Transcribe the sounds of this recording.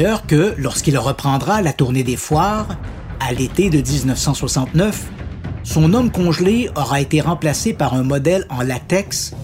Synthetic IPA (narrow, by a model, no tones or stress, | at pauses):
œːʁkəlɔʁskʲilʁəpχɑ̃d̪ʁalat̪uʁned̪efwaːʁ | alet̪ed̪əd̪iznœfsɑ̃swasɑ̃t̪nœf | sɔ̃nɔmkɔ̃ʒleɔʁaet̪eʁɑ̃plasepaʁɛ̃mɔd̪ɛlɑ̃lat̪ɛks